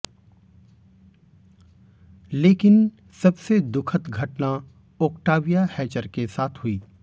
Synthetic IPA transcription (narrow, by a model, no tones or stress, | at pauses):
leːkɪn | sɐbsed̪ʊkʰət̪ɡʱɐʈna | oːkʈaːʋijahɛːt͡ʃəɾkesaːt̪ʰɦʊiː